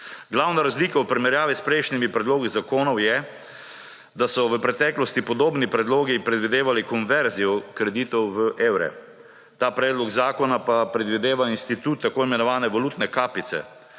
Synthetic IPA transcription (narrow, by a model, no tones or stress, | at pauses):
ɡlawnaɾazliːkawpɾimɛɾjaːʋispɾɛjʃnimipɾɛd̪loːɡizakoːnɔwjɛ | d̪asɔʋəpɾɛt̪ɛːklɔst̪ipɔd̪oːbnipɾɛd̪loːɡipɾɛd̪ʋid̪eːʋalikɔnʋɛɾzijɔkɾɛd̪iːt̪ɔwʋəʔeːwɾɛ̰ | t̪aːpɾɛːd̪lɔɡzaːkɔnapapɾɛd̪ʋid̪eːʋainst̪it̪uːt̪ːakoːimɛnɔʋaːnɛʋaluːt̪nɛkaːpit̪sɛ̰